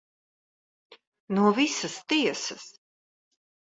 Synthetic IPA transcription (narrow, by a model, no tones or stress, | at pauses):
nuɔvisɐst̪iɛsɐs